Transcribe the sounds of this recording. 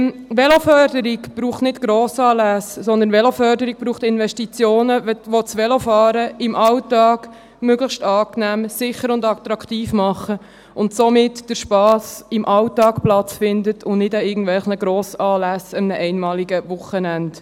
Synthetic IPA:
ʋɛlofœrdəɾɪkb̥ɾuːχtnɪtɡ̥ɾoːsɑːlæssɔnd̪ənʋɛlofœɾdəɾiɡ̚b̥ɾuːχtɪnʋɛʃtit͡sjoːnəʋot͡sʋɛlofɑːɾəɪmʔɑwtɑːɡ̥ | møɡləʃtɑːknæːmsɪχəɾʊndɑkt̪ɾɑkʰtiːfmɑχə | ʊntsomɪtd̥əɾʃpɑːsɪmʔɑltɑːkplɑt͡sfɪndətʰʊnnɪdaɪɡən̩d̥̪vɛlχnəɡ̥ɾoːsɑːlæsəmnəʔɛɪnmɑːliɡəʋʊχənænd

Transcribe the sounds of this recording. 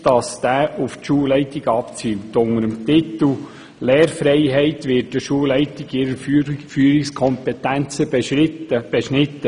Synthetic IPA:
d̥ɑsd̪̥æːʔʊftʃuːlɛɪt̪iɡɑpt͡symt̪ʊŋəɾəmt̪ɪt̪əl̩ | leːrfɾɛɪɦɛɪt̪ʋɪːtdəʃuəwlɛɪtiɡɪɾəyfyːɾikskʰɔmpɛtænt͡səb̥eʃɾɪt̪ːəb̥eʃnɪt̪ːə

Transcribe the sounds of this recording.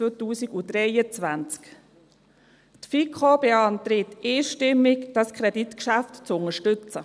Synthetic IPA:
øtuːsiɡud̥ɾɛjət͡svant͡sk | tfikʰobeɑnt̪ɾɪteːʃtɪmːɪkd̥ɑskχɾɛditkʃæftt͡sʊŋəʃtʏt͡sə

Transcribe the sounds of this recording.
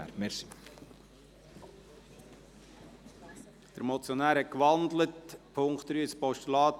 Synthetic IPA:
æ̰ɾmeɾsi | d̪̥əɾmɔt͡sjonæːɾhɛt̚kʋɑnd̪lətpʰʊŋkt̪ɾyːspɔʃtulɑːt

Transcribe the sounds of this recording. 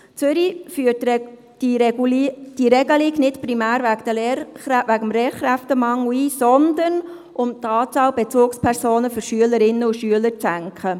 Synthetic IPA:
t͡sʏɾifyət | i | d̥iɾɛɡəliknɪtpɾimæːɾvækd̥əleːɾχɾæʋæɡəmɾeːɾχɾæft̪əmɑŋuiːsɔnd̪ən | ʔʊmt̪ɑːt͡sɑːlb̥ɛt͡suːkspʰɛɾsoːnəfʏɾʃyələɾɪnːəuʃyələɾt͡sæŋkχə

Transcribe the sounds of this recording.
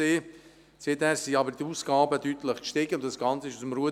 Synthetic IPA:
eː | seːthæːɾsiɑbəɾd̥iuːsɡ̥ɑːbəd̥ytləχkʃtɪːɡəʊntdɑsɡ̥ɑnt͡səɪʃusəmɾuə

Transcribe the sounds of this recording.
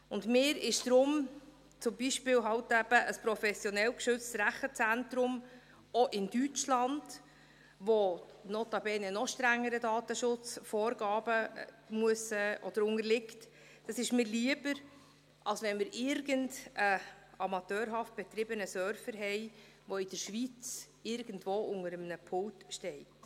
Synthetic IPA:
ʊndmɪːɾɪʃd̥ɾʊm | t͡sʊmbiʃpɪːwɦɑwtæb̥əʔəspɾɔfɛsjɔnɛlkʃʏt͡ssɾæχət͡sæntɾʊm | ɔʔɪnd̥yt͡ʃlɑnd̥ | ʋonɔt̪ɑbɛːnənɔχʃtɾæŋːəɾədɑːtəʃʊt͡sfɔːɾɡɑːb̥ə | muəsəʔɔd̥̪əɾʊŋəɾlɪkt | d̥ɑsɪʃmɪːɾliəbəɾ | ʔɑlsʋɛnmɪɾɪɾɡəndəɑmɑtœːɾɦɑft̚b̥ɛt̪ɾɪbənəsœɾfəɾɦɛɪ | ʋoɪd̥əɾʃʋit͡s | ɪɾɡ̥ən̩dvoːʊŋəɾəmnəpʰʊltʃtɛɪt

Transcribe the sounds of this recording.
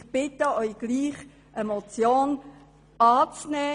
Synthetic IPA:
b̥ɪt̪əœʏɡ̥liːχ | ʔəmɔt͡sjoːn | ɑːt͡snɛː

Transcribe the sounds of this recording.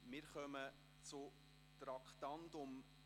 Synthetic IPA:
mɪːɾχœmə | t͡sʊ | t̪ɾɑkχt̪ɑndʊm

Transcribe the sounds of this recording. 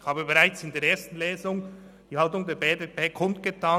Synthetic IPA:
haːbəbeʁaɪt͡sɪndeːɾeːɐstn̩leːzʊŋ | d̥iːhaltʊŋdeːɾbeːdepʰeːkʰʊntɡ̥ətʰaː

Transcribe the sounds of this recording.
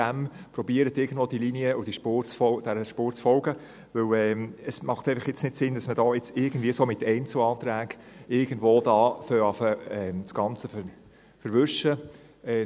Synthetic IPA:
æmpɾɔbiəɾətɪːɾɡən̩d̥̪vʋoːd̥iliniəʊd̥iʃpoːɾt͡sfɔd̥ɛɾəʃpuːɾt͡sfɔlɡə | ʋɵwɛməsmɑχt̪ɛɪfɑχjɪt͡snɪtsɪnd̥ɑsmədɔːɪt͡sɪɾɡən̩d̥̪viːəsoːmɪtɛɪnt͡slɑːt̪ɾæːɡɪɾɡ̥əndvoːdɑːføɑfəɛmsɡ̥ɑnt͡səf | fəɾʋʏʃə | ɛ

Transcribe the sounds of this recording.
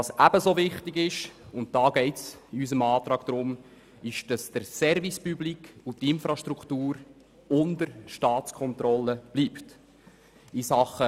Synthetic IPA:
tɑːsʔæbəsovɪχtɪɡɪʃʊnt̚d̥ɑːɡ̥ɛɪtsiys̬əmɑːt̪ɾɑːɡ̥d̥̪ɾʊm | ɪʃd̥ɑsd̥əɾsɛɾvispyblikʰutɪnfɾɑʃtɾukʰtuːɾ | ʊndəɾʃtɑːtt͡skʰɔnt̪ɾɔlːəb̥liːpt | isɑχə

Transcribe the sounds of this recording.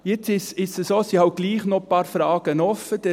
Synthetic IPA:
jɪt͡sɪsɪssəsoːsihawt̚ɡ̥liːχnopɑːɾfɾɑːɡ̥ənɔfəd̥ɛ

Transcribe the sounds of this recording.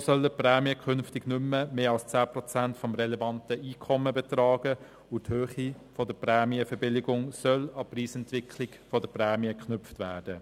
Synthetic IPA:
sœləprɛːmiəkʰʏnftɪɡnʏmːəmeːɑlst͡sæːprɔt͡sæntfɔmrɛlɛvɑntəiːkʰɔməbɛtrɑːɡə | ʊthøːχi | fɔdəprɛːmiəfɛbɪlɪɡʊŋsœlɑpriːsɛntʋɪkʰlɪɡfɔdəprɛːmiəkχnʏpftʋæːd̥ə

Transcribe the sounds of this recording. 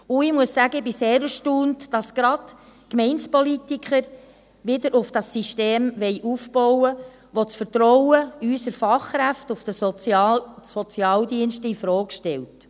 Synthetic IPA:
ʊɪmuəsːæɡəɪbiseːɾəʃtuːntd̥ɑsɡ̥ɾɑd | kmɛɪnspɔlitikχəɾ | ʋɪdəɾʔʊfd̥ɑsiʃteːmʋɛɪʔufb̥ɔwə | ʋot͡sfəɾtɾɔwəysəɾfɑχkɾæftufd̥ə | sɔt͡sjɑːldiənʃtəɪfɾɔːkʃtɛlt

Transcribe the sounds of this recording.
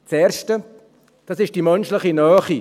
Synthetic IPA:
t͡sɛːɾʃtə | d̥ɑːsɪʃd̥imœnʃlɪχinɑːχi

